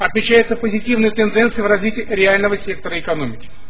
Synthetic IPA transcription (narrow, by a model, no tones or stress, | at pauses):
ɐt̪mʲɪt͡ɕæjɪt̪səpəzʲɪtʲivnɨjət̪ɨnd̪ɛnt̪sɨjvrɐzʲvʲitʲɪːɾʲɪalʲnəvəsʲe̞k̚t̪əɾəɪkɐno̞mʲɪkʲɪ̥